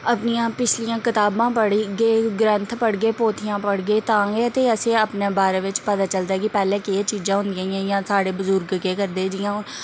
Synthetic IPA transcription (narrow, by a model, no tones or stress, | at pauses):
əpnɪjãːpɪt͡ʃʰlijãːkɪt̪aːbãːpəɽɡeːɡɾənt̪ʰpəɽɡeːpoːt̪ʰɪjãːpəɽɡeːt̪ãːɡeːət̪eːəsẽːəpneːbaːɾeːʋɪt͡ʃpət̪aːt͡ʃəld̪aːɛkɪpɛːlẽːkeet͡ʃiːzãːɦʊ̃nd̪ɪjãːjãːjãːsaːɽeːbʊzʊɾɡkeːkəɾd̪eːd͡ʒɪjãː